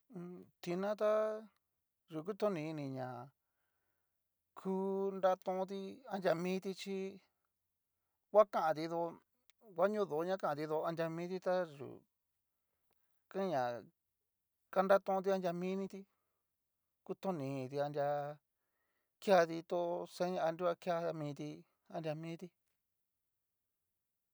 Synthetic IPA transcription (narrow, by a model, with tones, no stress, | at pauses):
t̪i˧nã˦t̪a˦ | ʐu˨k̬u˦t̪õ˦nĩ˧nĩ˧ɲã˨ | kʰuː˦nda˦t̪ũ˧t̪̬i˧a˧ndʲa˧mĩː˦t̪i˧t͡ʃi˦ | wʷa˦kã˦ʔã˨t̪i˧ðo˧ | wʷa˦ɲũ˦ðo˨˦ɲã˦kã˦ʔã˨˧t̪i˧ðo˧a˧ndʲa˧mĩː˦t̪i˧t̪a˦ʐṵ˨ | kã˦ɲã˨ | ka˧nda˦t̪ũ˧ũ˧t̪̬i˧a˧ndʲa˧mĩ˦nĩ˧t̪i˧ | ku˧t̪õ˦nĩ˨t̪i˧a˧ndʲa˧ | kja˧t̪i˧t̪o˦sẽ˦˧a˧nɾi˦wa˦kja˧mĩː˧t̪i˧ | a˧ndʲa˧mĩː˦t̪i˧